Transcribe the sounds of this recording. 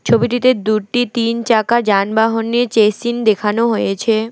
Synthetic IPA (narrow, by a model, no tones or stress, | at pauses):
t͡ɕʰobiʈit̪ed̪uʈit̪int͡ɕakad͡ʑanbaɦonːet͡ɕesind̪ekʰanoɦojet͡ɕʰe